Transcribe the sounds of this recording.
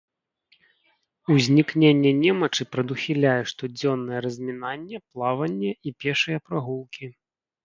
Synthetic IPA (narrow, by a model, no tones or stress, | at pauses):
uzʲnʲiknʲenʲːɛnʲɛmɐt͡ʂɨpɾɐd̪uxʲilʲajɛʂt̪ɔd͡zʲɔnːɐjɛɾɐzʲmʲinanʲːɛplˠavɐnʲːɛʔipʲɛʂɨjɐpɾaɣulˠkʲi